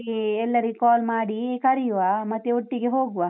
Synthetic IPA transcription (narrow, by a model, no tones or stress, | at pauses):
ɛlːɐɾikaːlmaːɽikɐɾijuʋaːmɐt̪ːeoʈːiɡe̞ɦoːɡuʋa